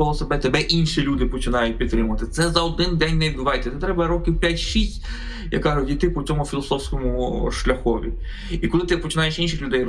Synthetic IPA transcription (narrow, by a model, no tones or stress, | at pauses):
ɔlˠɔsebɛt̪ebɛʔinʃilʲud̪ɪpɔt͡ʃɪnɑjʊt̚ʲpʲid̪t̪ɾɪmʊʋɐt̪ɪt̪sɛzɐɔd̪ɪnd̪ɛnʲnɛʋid̪bʊʋɑjt̪ʲːɛt̪ɛt̪ɾɛbɐɾɔkʲiwpʲjatʲʃisʲtʲ | jɐ̰kaɾɔdʲit̪ɪpɔt͡s̪ʲsʲɔmʊfʲilˠɔsɔwsʲkɔmʊʃlʲɐxɔʋʲḭ | ikɔlˠɪt̪ɪpɔt͡ʃɪnɑjeʃinʃɪxlʲʊd̪ɛj